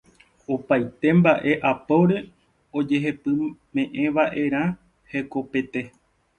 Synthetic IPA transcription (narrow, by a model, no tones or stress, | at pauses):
opajt̪e̞mbaʔe̞ʔapowɾe̞ | o̞d͡ʒe̞ɦepɨmẽ̞ʔẽ̞ʋaʔe̞ɾ̃ã | he̞ko̞pe̞t̪e̞